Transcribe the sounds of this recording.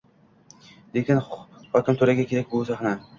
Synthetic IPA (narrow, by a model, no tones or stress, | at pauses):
d̪ekʲɪnhɒkʲɪmt̪ʰoɾaɡʲakʲʰe̞ɾak̚ʲbʊsaχna